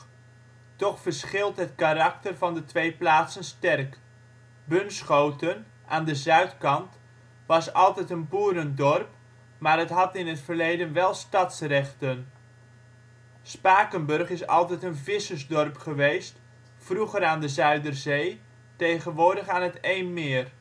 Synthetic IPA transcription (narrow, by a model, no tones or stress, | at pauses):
tɔχfəɹsχɪlˠtɦət̚kaɾɑk̚tərvɑndətʋejplaːtsənstɛrk | bɵnsχowtən | ʔaːndəzœɥtkɑnt | ʋɑsɑlˠtɛjtənpuːɾəndɔrp | maːrɦətɦɑtɪnɦətfərlejdənʋɛlˠstɑtsrɛχtən | spaːkənbɵrχɪsɑ̰lˠtɛjtənvɪsəzdɔrpχəʋejst | fruχəɾaːndəzœɥdərzej | tejχənʋʊːɹdəχaːnɦətejnmɪːər